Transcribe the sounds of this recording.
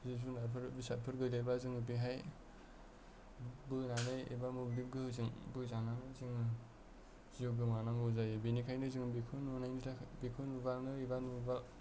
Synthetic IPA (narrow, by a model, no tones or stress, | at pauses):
zis̬unaɾpʰɯɾbisaɾpʰɯɾɡɯdabazɯŋɯbiɦaj | bɯnanɯjḭbamublip̚ɡɯhɯzɯŋbɯzananɯzɯŋɯ | z̥ijoɡɯmanaŋɡɯwzajbinikʰajnɯziŋbikʰɯnunajnɯtʰabikʰɯnubalnɯibanubal